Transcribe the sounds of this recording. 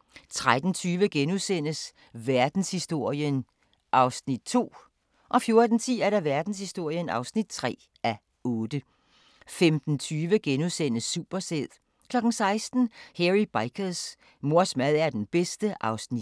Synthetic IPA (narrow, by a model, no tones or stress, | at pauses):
t͡sʰʁad̥n̩t͡sʰyːʋəɡ̥enuðˠsen̰əs | ʋæɐd̥n̩shisd̥o̝ɐ̰jən | ʔɑ̈ʊsnid̥̚t͡sʰo̝̰ː | ʔɒ̽fjo̝ɐd̥n̩t͡sʰḭːæɐɾæʋæɐd̥n̩shisd̥o̝ɐ̰jənɑ̈ʊsnid̥̚t͡sʰʁɛ̰ː | ʔæ | ɔ̽ːd̥ə | femd̥n̩t͡sʰyːʋəɡ̥enuðˠsen̰əsːuːb̥ɐseð̰ˠ | kʰlɒ̽ɡ̥n̩sɑ̈ɪsd̥n̩heʁib̥ɑɪkʰəs | mo̝ɐsmæðˠæɐd̥enb̥esd̥əʔɑ̈ʊsni̥